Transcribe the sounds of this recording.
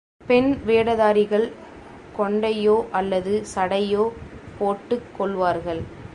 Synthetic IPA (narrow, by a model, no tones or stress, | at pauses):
pɛnʋeːɽɐðaːɾɪɣɐɭ | kɔɳɖɐjoːʔɐlːɐðɯsɐɽɐjoːpoːʈːɯkːɔɭʋaːɾɣɐɭ